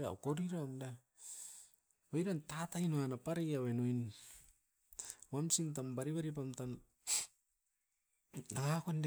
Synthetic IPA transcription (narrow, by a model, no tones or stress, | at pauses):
ea̰wkoɾiɾamda | ojɾantatajnoanapaɾejawenojn | wamsint̬ambaɾiβaɾip̬amtan | naŋakond